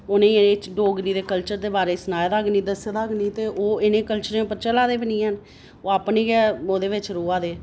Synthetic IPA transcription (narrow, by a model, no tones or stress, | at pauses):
onẽːneːt͡ʃɖoːɡɾiːd̪eːkəlt͡ʃəɾd̪eːbaːɾeːsnaːjd̪aːɡniːd̪əsed̪aːɡniːt̪eːʔoːɪnẽːkəlt͡ʃəɾẽːpəɾt͡ʃəlaːd̪eːbɪnĩːɦən | oːaːpneːɡoːd̪eːʋɪt͡ʃɾoːaːd̪eː